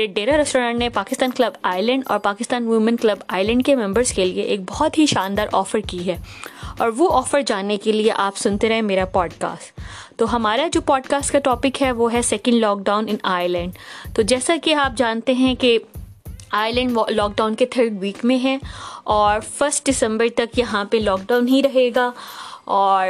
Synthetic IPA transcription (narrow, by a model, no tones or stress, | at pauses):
ɾeɖeːɾaɾɛsʈoːɾãːɳʈnepaːkɪst̪aːnklɐbaːɪlə̃ɳɖɔ̰ːɾpaːkɪst̪aːnʋɪʋmə̃nklɐbaːɪlə̃ɳɖ̚kemɛ̃mbəɾzkelieʔeːk̚bɔɦt̪ɦiʃaːnd̪aːɾʔɔːfəɾkiɦɛːɔːɾʋoʔɔːfəɾd͡ʒaːnekelieʔaːpsʊ̃nt̪eɾɐɦẽmeːɾapɔːɖka̰ːsʈ | t̪oɦɐmaːɾad͡ʒoːpɔːɖkaːsʈkaʈɔːpɪkɦɛʋoɦɛsɛːkə̃ɳɖlɔːk̚ɖaːʊ̃nɪ̃naːlə̃ɳɖt̪od͡ʒɛːsakiaːp̚d͡ʒaːnt̪eɦɛ̃ke | aːələ̃ɳɖlɔːk̚ɖaːʊ̃nket̪ʰəːɾɖʋiːkmẽɦɛɔːɾfəɾsʈ̚ɖɪsə̃mbəɾt̪ɐkjɐɦãpelɔːk̚ɖãːʊnɦiɾɐɦeːɡaːɔːɾ